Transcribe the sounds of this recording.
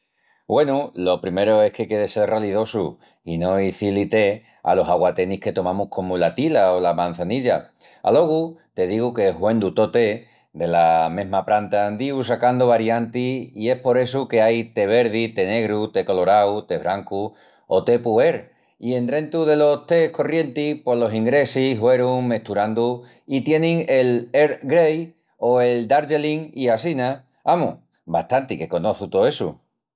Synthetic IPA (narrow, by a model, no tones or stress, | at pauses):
bwe̞nulo̞pɾime̞ɾoe̞hke̞ke̞ðese̞raliðo̞su | ino̞iθilit̪e̞ | a̰lo̞ɦaɣwat̪e̞nihke̞t̪o̞mãmuhkʰo̞molat̪ilaolamãn̟θaniʎa | a̰lo̞ɣut̪e̞ðiɣuke̞ɦwẽ̞nd̪ut̪o̞t̪e̞ | d̪e̞lamẽ̞ɦmapɾant̪and̪ius̬akand̪oβaɾjant̪iie̞hpo̞ɾe̞suke̞ajt̪e̞β̞e̞ɾð̞it̪e̞ne̞ɣɾut̪e̞ko̞lo̞ɾawt̪e̞βɾʔaŋku | o̞t̪e̞pue̞ɾ | ie̞nd̪ɾent̪uðe̞lo̞t̪e̞hko̞rje̞nt̪ipwo̞lo̞siŋɡɾe̞siɦwe̞ɾuŋmeht̪uɾand̪u | it̪je̞nĩŋe̞leɾɡɾej | oe̞ld̪aɾd͡ʒeliŋiasina | amṵ | baht̪ant̪ike̞ko̞no̞θut̪oe̞sṵ